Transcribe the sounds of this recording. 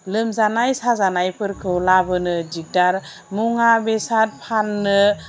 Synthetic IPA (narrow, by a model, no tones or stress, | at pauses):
lɯmzanajsazanajpʰɯɾkʰɯwlabɯnɯd͡ʒik̚daɾ | muŋabesat̚pʰanːɯ